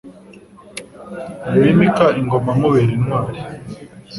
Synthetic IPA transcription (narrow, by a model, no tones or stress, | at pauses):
imikaiŋɡomamuβeɾinwaːɾi